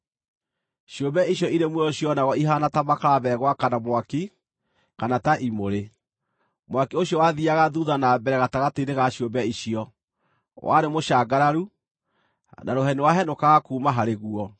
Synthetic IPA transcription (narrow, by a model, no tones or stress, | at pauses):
ʃjombɛiɕjɔiɾemwɛɾɔɕjɔnaɣɔiɦanatamakaɾaβɛɣwakanamwaki | kanataʔimoɾe | mwakioɕjɔwaðiaɣaðuðanabɛɾɛɣataɣateiɾeɣaɕjombɛiɕiɔ | wʔa̰ɾemoʃaːɡaɾaɾu | naɾoɦɛnewaɦɛnokaɣakuːmaɦaɾeɣuɔ